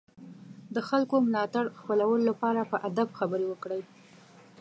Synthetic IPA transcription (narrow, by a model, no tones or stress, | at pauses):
d̪əxalkomlɑt̪aɽxpəlawəlolapɑɾapəʔad̪abxabəɾewəkɽəj